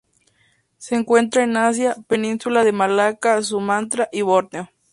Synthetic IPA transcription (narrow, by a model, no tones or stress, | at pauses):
seːŋkwe̞nt̪ɾaenas̬japenĩnsulaðemalakas̬umãnt̪ɾaʔiβoɾneo